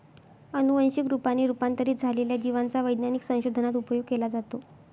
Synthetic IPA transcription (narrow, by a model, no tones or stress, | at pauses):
ənuʋənɕikɾupanːiɾupant̪əɾiːd͡zʱaleljad͡ʑiʋant͡saʋəjd̪naniksə̃w̃ɕod̪ʱənat̪upəjoɡ̚kelad͡zat̪o